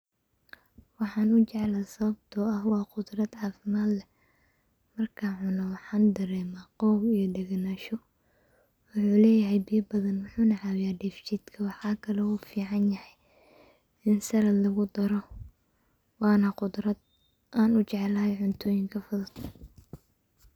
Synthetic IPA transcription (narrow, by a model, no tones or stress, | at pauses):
wɑħɑːnʊt͡ʃɛʕlaːsɐβɐb̚t̪ʰɔɐhwɑːqʊd̪rɐd̪ʕɑːfɪmaːd̪lɛ | mɐrkʰaːnʕʊnɐwɑħɑːnd̪ɐɾɛːmaːqɔwbijɞd̪ɛɣnaːʃɔ | wʊħuːlɛːjɐɦɛjbijɐbɐðɐnwʊħuːnɐʕɑwɪjaːɖɛːft͡ʃiːd̪kʰɐwɑħɑːkʰɐlɛuːfiːʕɑnjɐhɛj | ɪnsɐɾɐd̪lɐɣʊd̪ɐɾɔ | wɑːnɐqʊd̪ɾɐd̪ | ʔaːnʊt͡ʃɛʕlaːhɛjʕʊnt̪ʰɔːjɪŋkʰɐfʊðɐt̪ʰɐ